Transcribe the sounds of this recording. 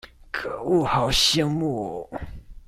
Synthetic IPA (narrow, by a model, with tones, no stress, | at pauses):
kʰɤ˨˩˦u˥˩xɑ˨˩ʊɕɛ˥ŋmu˥˩